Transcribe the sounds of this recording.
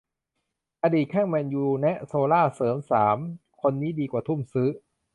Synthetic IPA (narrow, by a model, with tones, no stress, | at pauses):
ʔaː˧diː˨˩t̪̚kʰɛː˥˩ŋmɛː˧njuː˧nɛ˦˥ʔsoː˧laː˥˩sɤː˩˦msaː˩˦mkʰo˧nːiː˦˥diː˧kwaː˨˩t̪ʰu˥˩msɯ˦˥